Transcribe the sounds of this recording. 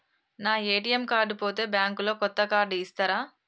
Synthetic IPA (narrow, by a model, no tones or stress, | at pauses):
naːeːʈijemkaːɾɖupo̞ːt̪e̞ːbjaːŋkulo̞ːkɔt̪ːɐkaːɾɖiːst̪aːɾaː